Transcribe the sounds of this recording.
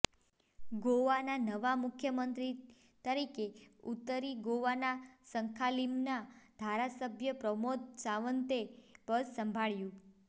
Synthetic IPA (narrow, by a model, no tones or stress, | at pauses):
ɡoʋananəʋamʊkʰjəmənt̪ɾi | t̪əɾikeut̪ːəɾiɡoʋanasəŋkʰalimnad̪ʱaɾasəbʱjəpɾəmot̪saʋənt̪epəɾsəmbʱaɭjũ